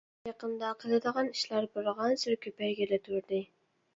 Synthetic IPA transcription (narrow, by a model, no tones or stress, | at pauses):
jɑqɨnd̪ɑqʰɨlˠɨd̪əʁɑnɪʃlæɾbʊɾʁɑnsʊɾkʲʰɵpæjɡʲelat̪ʰuɾd̪ɪ